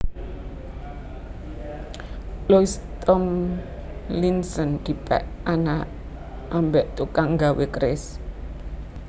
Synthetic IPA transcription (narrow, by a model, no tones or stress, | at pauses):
loist̪ɔm | linsɔnd̪̥i̤pɛ̰ʔana | ʔambɛʔt̪ukaŋɡawekɾɪs